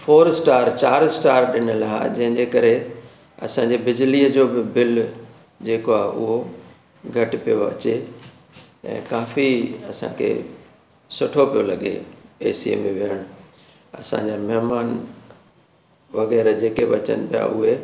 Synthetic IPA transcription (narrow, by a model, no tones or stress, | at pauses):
fʰoːɾsʈaːɾt͡ɕaːɾsʈaːɾɗɪnəlaɦa̰d͡ʑɐ̃ɦɪ̃ɲd͡ʑekɐɾe | ɐ̰sãɲ̆d͡ʑebɪd͡ʑliəd͡ʑoːbɪbɪl | d͡ʑeːkoaʊ̰ɦo | ɡʱɐʈɪpijoɐ̰t͡ɕe | ɛ̰̃ːkaːfiɐsã̰kʰḛː | sʊʈʰopijolɐɠḛḛːsḭmẽʋɪjəɽ̃ʊ | ɐsã̰ɲd͡ʑaːmɐɦɪmaːn | ʋɐɣɛːɾd͡ʑeːkeʋɐt͡ɕə̰nɪpija̰ʊɦe